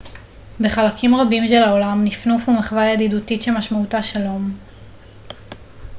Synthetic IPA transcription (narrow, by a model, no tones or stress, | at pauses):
be̞χalakʰimʁabimʃelaolamnifnufumeχvajadidutitʃemaʃmautaʃalo̞m